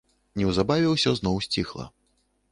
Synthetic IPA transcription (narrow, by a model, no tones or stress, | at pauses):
nʲɛwzabavʲɛwsʲɔznɔwsʲt͡sʲixlˠɐ̰